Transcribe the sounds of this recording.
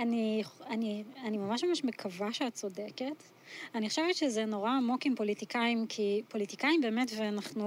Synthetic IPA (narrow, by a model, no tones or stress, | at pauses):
anianianimamaʃmamaʃmekʰavaʃeatt͡so̞deket | aniχaʃevetʃezeno̞ʁaːmo̞kimpo̞litikaimkʰipo̞litikaimbe̞ːmetvenaχnu